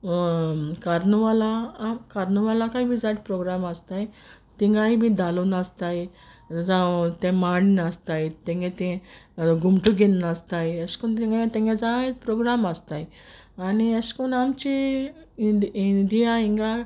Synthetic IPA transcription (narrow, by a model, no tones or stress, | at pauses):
kaɾnuʋalakaɾnuʋalakaɦĩbʱid͡zat̪pɾoɡɾamast̪aj | t̪ĩŋɡaɦibʱid̪alonast̪aj | d͡zat̪ɛ̃maɽinast̪ajt̪ẽŋɡẽt̪ɛ̃ɡumʈuɡennast̪ajəskunt̪ẽŋɡat̪ẽŋɡẽd͡zat̪pɾoɡɾamast̪aj | aniəskunamt͡ɕi | ind̪ijaiŋɡa